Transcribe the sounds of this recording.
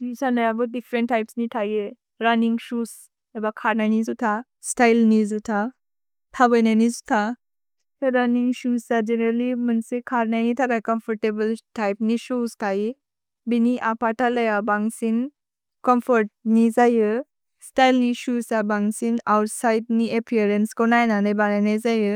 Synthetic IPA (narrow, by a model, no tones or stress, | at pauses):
nisaləjabəɖifɾeɳʈːajpsniʈʰaje | ɾaniŋɡɕus | ɛbakʰaɾnanid͡zut̪ʰa | sʈajlnid͡zut̪ʰa | tʰabənanid͡zut̪ʰa | t̪əɾaniŋɡɕust͡sad͡ʒenəɾlimənsekʰaɾnanit̪ʰaɾakəmfɔɾʈebəlʈajpniɕuskai | biniʔapaʈʰaləjabaŋsin | kəmfəɾʈ̚nid͡zajə | sʈajlniɕusabaŋsinawʈsajdniepʰiəɾenskɔnajnanabananajd͡zajə